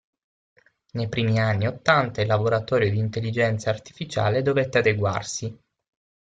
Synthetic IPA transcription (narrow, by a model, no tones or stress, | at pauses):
nejpɾiːmianːiot̪ːant̪ailːaboɾat̪ɔːɾjod̪iːnt̪elːid͡ʒɛnt̪saːrt̪i̥fit͡ʃa̰ːled̪ovet̪ːead̪eɡwa̰rsi